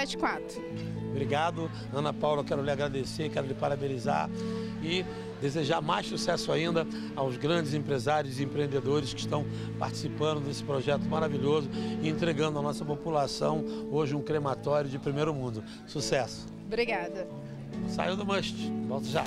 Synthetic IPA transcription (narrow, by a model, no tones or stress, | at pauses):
ɛt͡ʃɪ̥kwat̪ɾʊ | bɾiɡad̪ʊ | ɐ̃nɐpawlɐkɛɾʊlɪaɡɾad̪esekɛɾʊlɪpaɾabeliza̰ɾ | ɪ | d̪ezeʒaɾmajsusɛsʊaĩnd̪ɐ | awzɡɾɐ̃d͡ʒɪzẽpɾezaɾjʊzɪẽpɾeẽnd̪ed̪oɾɪskɪiʃt̪ɐ̃w̃ | pa̰ɾt͡ʃɪ̥sipɐ̃nd̪ʊd̪esɪ̥pɾoʒɛt̪ʊmaɾaviʎozʊɪẽnt̪ɾeɡɐ̃nd̪ʊɐnɔsɐpopulasɐ̃w̃oʒɪũkɾemat̪ɔɾjʊd͡ʒɪpɾimejɾʊmũnd̪ʊ | susɛsʊ̥ | bɾiɡad̪ɐ | sa̰jɐd̪ʊmɐʃt͡ʃɪ̥bɔwt̪ɐʒa